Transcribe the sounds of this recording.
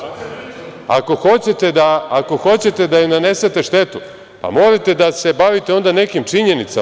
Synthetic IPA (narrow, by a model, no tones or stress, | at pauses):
a̰ko̞xo̞t͡ɕe̞t̪e̞d̪aːko̞xo̞t͡ɕe̞t̪e̞d̪ajinane̞set̪e̞ʃt̪e̞t̪u | pa̰mo̞ɾet̪e̞d̪ase̞baʋit̪e̞o̞nd̪ane̞kimt͡ʂiɲe̞nit̪sa